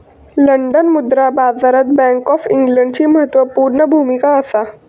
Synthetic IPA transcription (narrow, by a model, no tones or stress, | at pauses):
ləɳɖənmud̪ɾabad͡zaɾət̪̚bɛ̃ŋkɔfiŋɡləɳɖt͡ɕiːməɦət̪ʋəpuɾɳəbʱumikaəsa